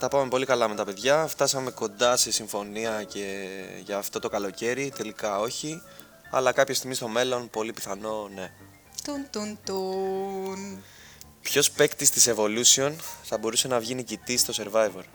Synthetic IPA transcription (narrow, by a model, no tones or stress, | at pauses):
t̪ɐpɐme̞po̞likɐlɐme̞t̪ɐpe̞ðʝɐft̪ɐsɐme̞ko̞nd̪ɐse̞siɱfo̞niɐce̞ʝɐːft̪o̞t̪o̞kɐlo̞ce̞ɾit̪e̞likɐo̞çi | ɐ̰lɐkɐpço̞st̪iɣmist̪o̞me̞lo̞npo̞lipiθɐno̞ne̞ | t̪unt̪unt̪u | n | pço̞spe̞kt̪ist̪ise̞vo̞lusio̞nθɐbo̞ɾuse̞nɐvʝinicit̪ist̪o̞se̞ɾvɐjve̞ɾ